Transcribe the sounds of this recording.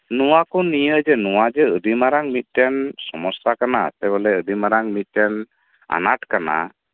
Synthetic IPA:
nuakɔnijəd͡ʒənuwad͡ʒəədimaɾaŋmit̪̚ˀtɛnsɔmɔsakanat̪ɛbɔlɛədimaɾaŋmit̪̚tɛn | a̰nat̪̚kana̰

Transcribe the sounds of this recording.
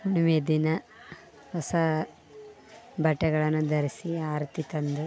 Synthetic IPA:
unuʋed̪inɐ | hɔsɐ | bɐʈːɛɡɐɭɐnːud̪ɐɾisiaːɾt̪it̪ɐnd̪u

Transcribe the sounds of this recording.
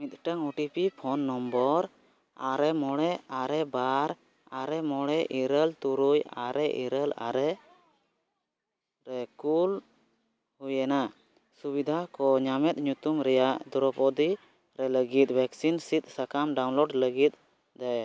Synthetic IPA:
mit̪̚ˀʈəŋɔʈipipʰɔnːɔmbɔɾ | aɾɛmɔɽɛaɾɛbaɾ | aɾɛmɔɽɛʔiɾəlt̪uɾuja̰ɾɛʔḭɾəla̰ɾɛ | ɾɛkul | hujɛna | subid̪ʱakɔɲamɛt̪̚ɲut̪umɾɛjaʔd̪ɔɾɔpɔd̪i | ɾɛləɡit̪̚ˀbʱɛksinsit̪̚ˀsakamɖawnlɔɖləɡit̪̚ | d̪aj

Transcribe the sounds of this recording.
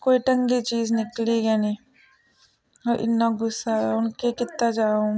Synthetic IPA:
koːiʈə̃ŋɡit͡ʃiːznɪkliɡɛnĩː | ɔːɾʔɪ̰nːaɡʊsːaɦɛʊnkekɪt̪ːad͡ʒaːõː

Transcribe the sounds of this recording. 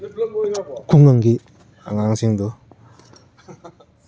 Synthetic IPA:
kʰuŋaŋɡi | aŋaŋsiŋd̪u

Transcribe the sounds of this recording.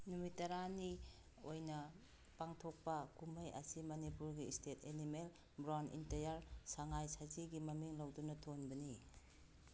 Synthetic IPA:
numitɐɾani | ojnɐ | paŋtʰok̚pɐkumɐjɐ̰simɐnipuɾɡistʰetʰenimel | bɾanḭnteɾjaɾsaŋajsaziɡimɐmiŋlɐwdunɐtʰonbɐni

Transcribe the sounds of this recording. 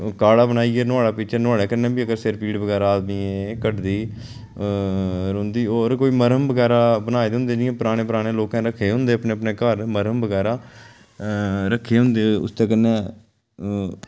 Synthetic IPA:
kaːɽaːbənaːiːɛːnʊaːɽaːpɪt͡ʃʰeːnʊaːɽɛːkənẽːbiːəɡəɾseɾpiːɖbəɡɛːɾaːd̪miːekəʈd̪iː | ɾʊ̃nd̪iːoːɾkoːiːməɾəmbəɡɛːɾaːbənaːed̪ɦʊ̃nd̪eːd͡ʒɪẽːpəɾaːɽ̃eːpəɾaːɽeːloːkãːɾəkʰːeːɦʊ̃nd̪eːəpneːəpɳeːkəɾməɾəmbəɡɛːɾaː | ɾəkʰːeːɦʊ̃nd̪eːʊ̰st̪ẽːkənːẽː

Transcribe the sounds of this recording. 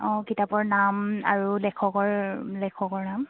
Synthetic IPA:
ɔ̃kitapɔɹnama̰ɹulɛkʰɔkɔɹlɛkʰɔkɔɹnam

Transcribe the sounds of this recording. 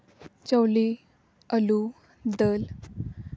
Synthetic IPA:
t͡ɕəwli | əlu | d̪əl

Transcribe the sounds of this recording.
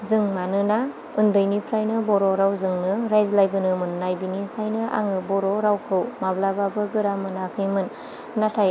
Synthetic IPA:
zɯŋmanɯna | ɯndɯjnipʰɾajnɯbɔɾɔɾawzɯŋnɯɾajzlajbɯnɯmɯnːajbinipʰajnɯʔa̰ŋɯbɔɾɔɾawkʰɯwmablababɯɡɯɾamɯnakʰɯjmɯnː | atʰaj

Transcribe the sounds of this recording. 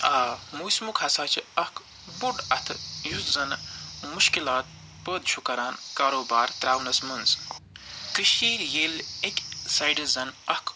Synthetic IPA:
aːmuːsmukʰɐsaːt͡ʃʰiɐk | buɖɐt̪ʰjuszɐnmuʃkilaːt̪̚ | pəːd̪t͡ʃʰukɐɾaːnkaːɾoːbaːɾt̪ɾaːwnɐsmunz | kɨʃiːɾjeːlekʲsɐjɖizɐnɐkʰ

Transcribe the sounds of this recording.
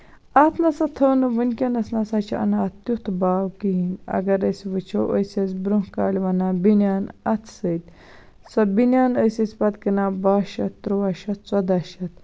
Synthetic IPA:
aːt̪ʰnɐsɐt̪ʰɐwnɨʋɨnkʲɐnɐsnɐsat͡ʃʰiɐ̰naːt̪jut̪ʰbaːwkiɦinɐ̰ɡɐɾəsʋɨt͡ʃʰɐʔəjsʲɐt͡sbɾuɦkaːlʲʋɐnabinjaːnɐt̪ʰsət̪ʲ | sɐbinʲaːnəjsɐsʲpɐt̪kinabaːʃɐt̪ɾuʋaʃɐt͡sɐd̪aːʃɐt̪

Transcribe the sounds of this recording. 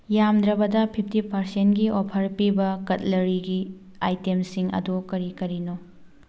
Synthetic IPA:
jamdɾɐbɐdɐpʰipʰtipɐɾsentɡiopʰɐɾpibɐkɐtlɐɾiɡi | a̰jtemsiŋɐ̰dokɐɾikɐɾino

